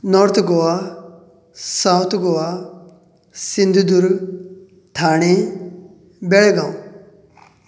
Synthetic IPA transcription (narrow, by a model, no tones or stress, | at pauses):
nɔɾt̪ʰɡoa | saʊt̪ʰɡoa | sɪ̃nd̪ʱud̪ʊɾ | ʈʰaːɽ̃i | bɛɭeɡãũ